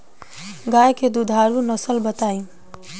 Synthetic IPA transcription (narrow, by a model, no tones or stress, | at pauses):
ɡajked̪ud̪ʱaɾunəsəlbət̪aĩ